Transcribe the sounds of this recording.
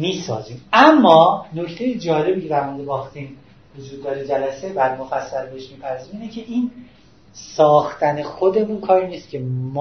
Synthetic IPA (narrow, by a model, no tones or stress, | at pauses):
miːsɒ̰ːziːmæmːɒːno̞ct̪ʰe̞jed͡ʒɒːle̞biːcʰed̪æɾmond̪ebɒːxt̪iːm | vod͡ʒuːd̪̚ːɒːɾed͡ʒælæse̞bæɾmofæsːælbeeʃmiːpʰæɾzimiːnecʰe̞ʔiːn | sɒːxt̪ʰæne̞xod̪e̞munkʰɒːɾiniːst̪cʲʰe̞m